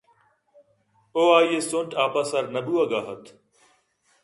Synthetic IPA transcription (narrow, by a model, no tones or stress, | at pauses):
oːaːieːsõɳʈaːpasaɾnɐbuːɐɡaːɦət̪ʰ